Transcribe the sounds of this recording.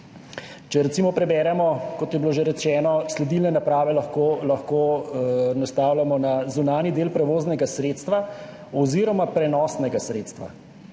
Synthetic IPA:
t͡ʃɛɾɛt̪simɔpɾɛbɛːɾɛmɔkɔt̪jɛbiloːʒeɾɛt͡ʃɛːnɔslɛd̪ilnɛnapɾaːʋɛlaxkoːlɐxkoːnast̪aːwlʲjamɔnazunaːnid̪eːlpɾɛʋoːznɛɡasɾeːt̪st̪ʋa | ɔziːɾɔmapɾɛnɔːsnɛɡasɾeːt̪st̪ʋa̰

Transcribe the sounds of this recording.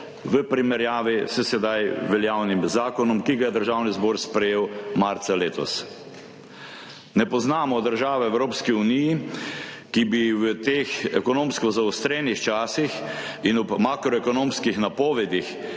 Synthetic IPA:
ʋəpɾimɛɾjaːʋisɛsɛd̪ajʋɛljawnimzaːkɔnɔmkiɡajɛd̪əɾʒaːwnizbɔːɾspɾɛjeːwmaɾt̪saleːt̪ɔ̰s | nɛpɔznaːmɔd̪əɾʒaːʋɛɛwɾoːpskiuniji | kibiwət̪eːxɛkɔnoːmskɔzaɔst̪ɾeːnixt͡ʃaːsix | inɔbmaːkɾɔɛkɔnõːmskixnapɔːʋɛd̪ix

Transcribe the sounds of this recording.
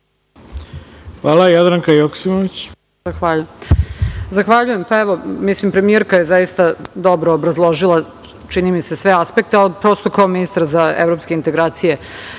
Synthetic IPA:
xʋaːlˠajad̪ɾaŋkajoksimoʋit͡ɕ | zaxʋaʎuj | zaxʋaʎujempaeʋo̞mislimpɾe̞mijeɾkaje̞zajist̪ad̪o̞bɾoːbɾazlˠo̞ʒilˠa | t͡ʃinimise̞sʋe̞aspe̞k̚t̪ealpɾo̞ːst̪o̞kaominist̪aɾzaḛvɾo̞pskeint̪e̞ɡɾaːt̪sije̞

